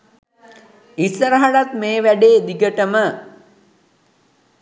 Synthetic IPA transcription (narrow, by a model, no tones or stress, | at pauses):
isəɾəɦaɽat̪meːʋæɖeːd̪iɡəʈəmə